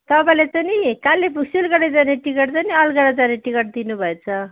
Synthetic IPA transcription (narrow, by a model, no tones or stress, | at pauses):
t̪ʌpaĩlet͡sanikalːepʰuɡsilɡʌɽejd͡zaneʈikʌʈt͡saniʌlɡʌɽad͡zaneʈikʌʈ̚d̪inubʱʌet͡sʰʌ